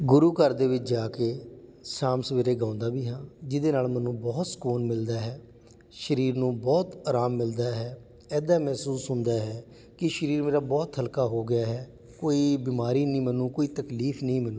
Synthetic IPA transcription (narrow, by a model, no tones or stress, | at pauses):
ɡʊɾuːkəɾd̪eːʋɪt͡ʃd͡ʒaːkeːsãːmsəʋeːɾeːɡãːnd̪aːbiːɦãːd͡ʒɪd̪eːnaːlmɛnũːbɔːt̪skuːnmɪld̪aːɦɛː | ʃəɾiːɾnũːbɔːt̪aːɾaːmːɪld̪aːɦɛː | ɛːd̪aːmɛːsuːsɦʊnd̪aːɦɛː | kɪʃəɾiːɾmeːɾaːbɔːt̪ɦəlkaːɦoːɡɪjaːɦɛː | koːiːbiːmaːɾiːnĩːmənũːkoːiːt̪əkliːfʰnəĩːmənũː